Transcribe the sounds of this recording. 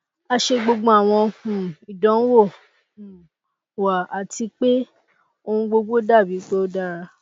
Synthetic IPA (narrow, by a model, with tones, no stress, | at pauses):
a˧ʃe˧ɡ͡bo˧ɡ͡bɔ̃˧˦a˨w̃ɔ̃˧hũ˨i˨dɔ̃˨˦wõ˦˨ | wa˨a˨ti˧k͡pe˦ | o˧ũ˧ɡ͡bo˧ɡ͡bo˦da˦˨bi˨˦k͡pe˦o˦da˦ɾa˧